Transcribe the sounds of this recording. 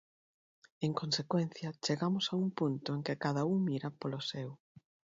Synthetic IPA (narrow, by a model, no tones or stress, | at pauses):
eŋkonsekwen̟θjɐt͡ʃeɣamʊsauŋpunt̪ʊeŋkekaðɐuŋmiɾapolosɛw